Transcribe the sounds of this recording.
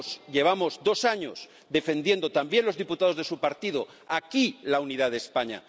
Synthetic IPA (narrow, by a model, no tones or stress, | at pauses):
sʎe̞β̞amo̞zd̪o̞saɲo̞s | d̪e̞fe̞nd̪je̞nd̪o̞t̪ambjenlo̞zðiput̪að̞o̞zðe̞supaɾt̪iðo̞ | akilauniðaðespaɲa̰